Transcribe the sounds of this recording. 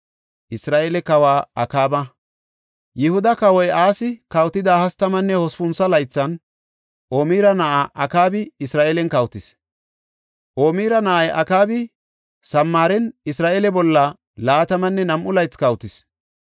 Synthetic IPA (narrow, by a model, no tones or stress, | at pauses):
ʔɪsɾaːʔelɛkɐwaːɐkaːbɐ | jɪhʊd̪ɐkɐwɔjʔaːsɪkɐwt̪ːɪd̪aːhɐst̪ɐmɐnːɛhɔspʊnsɐlɐjt͡sːɐn | ʔoːmiːɾɐnɐʔaʔɐkaːbɪɪsɾaːʔeːlɛnkɐwt̪ɪs | ʔoːmiːɾɐnɐʔɐjʔɐ̰kaːbɪ | sɐmːaːɾɛnɪsɾaːʔeːlɛbɔlːɐ | laːt̪ɐmɐnːɛnɐmʔʊlɐjt͡skɐwt̪ɪs